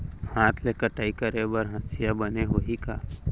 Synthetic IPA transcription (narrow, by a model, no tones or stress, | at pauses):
haːt̪ʰlekəʈaːikəɾebəɾɦɐ̃sijabəneɦoɦikaː